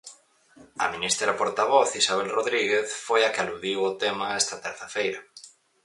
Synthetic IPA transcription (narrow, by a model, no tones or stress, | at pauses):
ɐ̰minist̪ɾɐðapoɾt̪aβ̞ɔθisaβ̞elroðɾiɣeθfojakɪaluðiwot̪emaɛst̪ɐt̪ɛɾθafejɾɐ